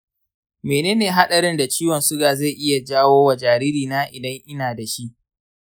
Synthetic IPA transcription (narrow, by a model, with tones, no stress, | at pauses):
meː˨neː˦neː˨ɦa˦ɗɐ˨ɾɪ˦nda˨t͡ʃiː˦wɔ˨nsʊ˦ɡaː˨za˦˨jʔɪ˦ja˨d͡ʒaː˦woː˦wa˨d͡ʒaː˨ɾi˦ɾiː˨naː˦ʔɪ˨dɐ˦ŋʔɪ˦naː˨da˨ʃi˦ʔ